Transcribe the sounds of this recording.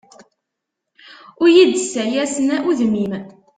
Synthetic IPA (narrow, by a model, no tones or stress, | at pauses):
ʊɾjid̪sæjæsənæʔuðmim